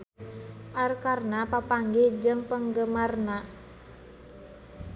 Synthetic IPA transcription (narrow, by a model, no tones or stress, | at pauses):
ʔarkarnapapaŋɡɪd͡ʒəŋpəŋɡəmarna